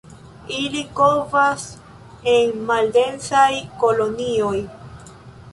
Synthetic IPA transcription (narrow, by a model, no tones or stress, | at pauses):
ilikovas | e̞nmalde̞nsajko̞lo̞nio̞j